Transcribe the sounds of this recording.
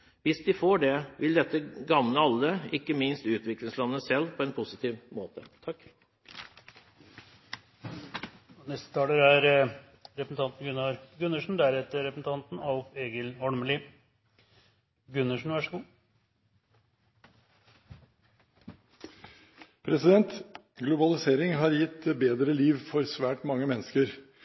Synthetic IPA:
ʋɪsd̪ɪfoːɖɛʋɪld̪ɛt̪ːəɡɑmnəɑlːəɪkːəmɪnst̪ʉːt̪ʋɪklɪŋslɑnːəsɛlːpʰɔɛnpʰʊsɪt̪ʰiːʋmoːt̪ət̪ʰɑkː | nɛst̪ə̥t̪ʰɑːləɾæɾ | ɾɛpsn̩t̪ʰɑnt̪n̩ɡʉnːɑɾɡʉnːəʂɳ̩d̪æɾɛt̪ːəɾɛpɾəsn̩t̪ʰɑnt̪n̩ɑlfeːɡəlɔɽməlɪ | ɡʉnːəʂn̩ʋæʂəɡuː | pʰɾɛsɪd̪ɛnt̪ | ɡlʊbɑlɪseːɾɪŋɦɑɾjɪt̪ːbeːd̪ɾəliːʋfɔɾsʋæːʈmɑŋːəmɛnːəskəɾ

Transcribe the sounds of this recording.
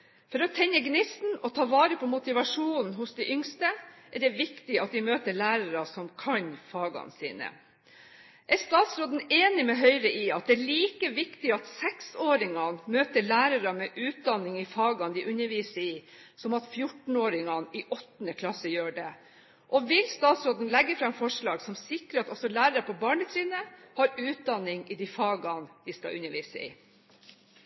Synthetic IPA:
fɔɾɔt̪ʰɛɲːəɡnɪsn̩ɔt̪ʰɑːʋɑːɾəpʰɔmʊt̪ɪʋɑʂuːnn̩ɦʊsd̪ɛɪʔʏŋst̪əʔæɖɛʋɪkt̪ɪɑt̪̚d̪ɪmøːt̪əɭæːɾɑɾɑsɔmkʰɑɲfɑːɡɑ̰nsḭːnə̰ | ʔæɾst̪ɑːt̪sɾoːd̪n̩eːnɪmɛɦœʏɾəʔɪɑt̪̚d̪ɛæːɭiːkəʋɪkt̪ɪɑt̪sɛksoːɾɪŋɑmøːt̪əɭæːɾɑɾəmɛʔʉːt̪̚d̪ɑnɪŋɪfɑːɡɑnd̪ɪʔʉnəɾʋiːsəɪ | sɔmɑt̪fjʊʈn̩oːɾɪŋɑnɪʔɔt̪ːnəkʰlɑsəjøːɖɛ | ʔɔʋɪlst̪ɑːt̪sɾoːd̪n̩lɛɡːəfɾɑɛfɔʂɭɑːɡsɔmsɪkɾəɾɑt̪ɔsɔlæːɾəɾəpʰɔbɑːɳət̪ʰɾiːnəhɑɾʉːt̪̚d̪ɑnɪŋɪd̪ifɑːɡɑnd̪ɪskɑ̰ʔʉ̰nːəɾʋiːsəɪ̰

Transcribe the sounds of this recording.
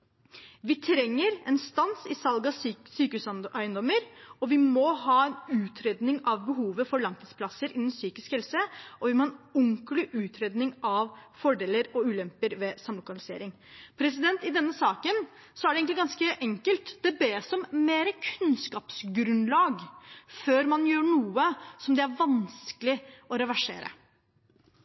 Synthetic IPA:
ʋɪt̪ʰɾɛŋːəɾɛnst̪ɑnsɪsɑlɡɑsyːkʉsʔæɪənd̪ɔmːəɾɔʋɪmɔɦɑːɛnʉːt̪ʰɾeːd̪nɪŋɑʋbəɦuːʋəfɔɾɭɑŋt̪əspʰlɑsəɾʔɪnːənsyːkɪskhɛlsəʔɔʋɪmɔhɑːnʊŋklɪʔʉːt̪ʰɾeːd̪nɪŋɑʋfɔɖeːləɾɔʉːlɛmpəɾʋɛsɑmlʊkɑllɪsḛːɾɪŋ | pʰɾɛs̬ɪd̪ɛnt̪ɪd̪ɛnːəsɑːkən | sɔæɖɛeɡŋlɪɡɑnskəʔɛŋkəlt̪d̪ɛbeːsɔmmeːɾəkʰʉnskɑːpsɡɾʉnlɑːɡføːɾmɑnjøːɳuːəsɔmd̪ɛæɾʋɑnskəlɪɔɾɑʋæʂḛːɾə̰

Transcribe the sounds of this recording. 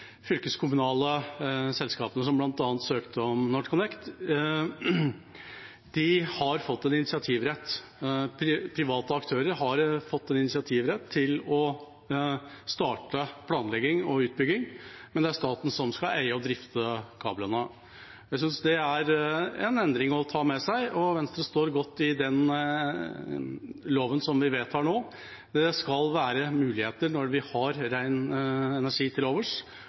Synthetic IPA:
fʏlkəskʰʊmʉnɑːləsɛlskɑːpənəsɔmblɑnt̪ɑːnt̪søːkt̪əɔmnɔʈkʰʊnɛkt̪ | d̪̥ɪhɑɾfɔt̪ːɛnɪnɪsɪɑt̪ʰiːʋɾɛt̪ːpʰɾɪpʰɾɪʋɑːt̪əɑkt̪ʰøːɾəɾɦɑɾfɔt̪ːɛnɪnɪsɪɑt̪ʰiːʋɾɛt̪ʰːɪlɔ | st̪ɑːʈəpʰlɑːnlɛɡːɪŋɔʉːt̪̚bʏɡɪŋmɛnd̪ɛæɾʂt̪ɑːt̪n̩sɔmskɑʔæɪəɔd̪ɾɪft̪ʰəkʰɑːblənə | jæɪsʏnsd̪ɛæɾɛnɛnd̪ɾɪŋɔt̪ʰɑːmɛsæɪɔʋɛnst̪ɾəst̪oːɾɡɔt̪ːɪd̪ɛn | loːʋənsɔmʋɪʋeːt̪hɑːɳoː | d̪ɛskɑlʋæːɾəmʉːlɪheːt̪əɾnɔɾʋɪhɑɾɾæɪnɛnæɾʂiːt̪ʰɪloːʋəʂ

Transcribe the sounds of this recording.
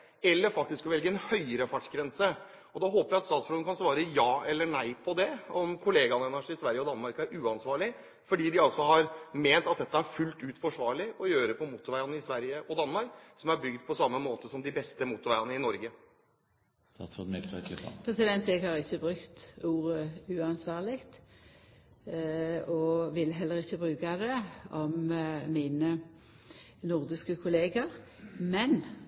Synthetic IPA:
ɛlːəɾfɑkt̪ɪskɔʋɛlɡəɛnhœʏəɾəfɑʈʂɡɾɛnsə | ɔd̪ɑɦoːpəjæɪɑt̪st̪ɑːt̪sflɔənkʰɑnsʋɑːɾəjɑːʔɛlːəɳæɪpʰɔd̪ɛɔmkʰʊleːɡɑnəɛnæʂɪsʋæɾjəɔd̪ɑnːmɑɾkæɾʉːɑnsʋɑːɭɪ | fɔɖiːd̪ɪɑlsɔhɑɾmeːnt̪ɑt̪̚d̪ɛt̪ːəæɾfʉlt̪ʉːt̪fɔʂʋɑːɾɭɪɔjøːɾəpʰɔmuːt̪ʊɾʋæɪɑnəɪsʋæɾjəʔɔd̪ɑnmɑɾksɔmæɾbʏɡd̪pʰɔsɑmːəmoːt̪əsɔmd̪ɪbɛst̪əmuːt̪ʊɾʋæɪɑnəɪnɔɾɡə | ɔt̪mɛt̪ɛkl̰pʰʁɛsɪd̪ɛnt̪ɛɡhɑːʁɪçːəbʁʉkt̪uːʁəʉːɑnsʋɑːʁlɪkt̪ | ɔʋɪlːɦɛlːəʁɪçːəbʁʉːkad̪ɛɔmmiːnə | nʊʁd̪ɪskəkʰʊleːɡəʁ | mɛn

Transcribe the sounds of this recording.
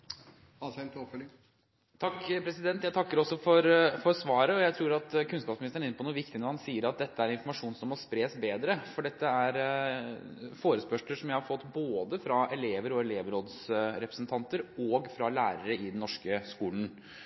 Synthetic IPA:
ɑsɛnt̪ʰofɔl | t̪ʰɑkpʰɾɛsɪd̪ɛnt̪jæɪt̪ʰɑkːəɾɔsːɔfɔɾfɔɾsʋɑːɾəɔjæɪt̪ʰɾuːɾɑt̪kʰʉnskɑːpsmɪnɪst̪əɳ̩nɪnːəpʰɔnuːʋɪkt̪ɪnəɾhɑnsiːəɾɑt̪̚d̪ɛt̪ːəæɾɪnfɔɾmɑʂuːnsɔmːɔspɾeːsbeːd̪ɾəfɔɖɛt̪ːəæɾ | foːɾəspœʂləʂɔmjæɪhɑɾfɔt̪ːboːd̪əfɾɑɛleːʋəɾɔɛleːʋəɾoːd̪sɾɛpɾəsnt̪ʰɑnt̪əɾɔɡfɾɑlæːɾəɾəɪd̪ɛnɔʂkəskuːln̩

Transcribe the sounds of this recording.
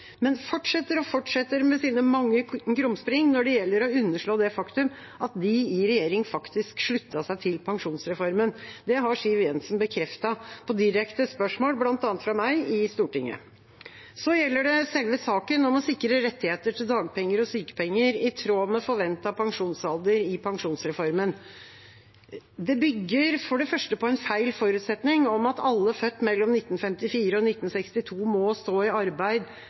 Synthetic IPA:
mɛnfɔʈʂɛt̪ːəɾɔfɔʈʂɛt̪ːəɾmɛsiːnəmɑŋːəɡɾʊmspɾɪŋnɔɖɛjɛlːəɾɔʉnːəʂɭoːd̪ɛfɑkt̪ʉm | ɑt̪̚d̪ɪɪɾɛjeːɾɪŋfɑkt̪ɪskʂɭʉt̪ːɑsæɪt̪ʰɪlpʰɑŋʂuːnsɾɛfɔɾmənd̪ɛɦɑʂiːʋɛnsn̩bəkʰɾɛft̪ɑpʰɔd̪ɪɾɛkt̪əspœʂmoːlblɑnt̪ɑːnt̪fɾɑmæɪɪst̪uːʈɪ̰ŋːə̰ | sɔjɛlːəɖɛsɛlʋəsɑːkənɔmɔsɪkɾəɾɛt̪ːɪheːt̪əʈʰɪld̪ɑːɡ̚pʰɛŋːəɾɔsyːkə̥pʰɛŋːəɾɪt̪ʰɾoːmɛfɔɾʋɛnt̪ɑpʰɑŋʂuːnsɑlˠd̪əɾɪpʰɑŋʂuːnsɾɛfɔɾmən | d̪ɛbʏɡːəɾfɔɖɛfœʂʈəpɔɛnfæɪlfɔɾʉːt̪sɛt̪nɪŋɔmɑt̪ɑlːəfœt̪ːmɛlːɔmnɪt̪ːn̩fɛmt̪ɪfiːɾəɔnɪt̪ːn̩sɛkst̪ɪt̪ʰuːmɔst̪oːɪɑɾbæɪd̪

